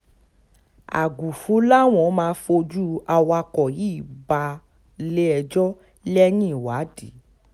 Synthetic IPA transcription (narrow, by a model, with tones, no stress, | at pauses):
a̰˨ɡu˨fu˨˦la˦w̃ɔ̃˨˦mãː˧˦fo˧d͡ʒu˦a˧wa˧kɔ˨ji˦˨ba˧ | le˦ɛ˧d͡ʒɔ˦ | lɛ˦nĩ˦˨wa˨˦di˨˦